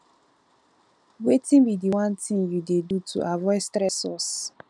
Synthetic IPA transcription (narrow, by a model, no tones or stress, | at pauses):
wetĩnbidiwãntĩŋjudedutʰṵʔavɔɪstɾɛsɔs